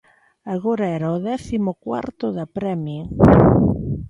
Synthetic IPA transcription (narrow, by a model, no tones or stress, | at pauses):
aɣoɾaɛɾaʊðɛθimʊkwa̰ɾt̪ʊðɐpɾɛmjo